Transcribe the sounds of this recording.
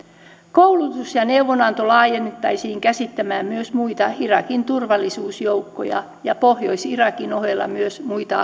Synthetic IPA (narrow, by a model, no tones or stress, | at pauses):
koulut̪usjɑneuʋonɑnt̪olɑːjenet̪ːɑisiːŋkæsit̪ːæmæːmmyøsmuit̪ɑirɑkint̪urʋɑlːisuːsjowkːo̰jɑ̰ | jɑpohjoisirɑkinoɦelːɑ̰myøsmuit̪ɑ̰